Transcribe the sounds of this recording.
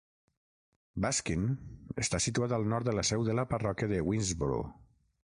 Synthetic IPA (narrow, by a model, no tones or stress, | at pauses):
baskinəst̪asit̪uat̪əlˠnɔɾt̪d̪ələsɛwðələpərɔkjəðəwinzbṵɾ̰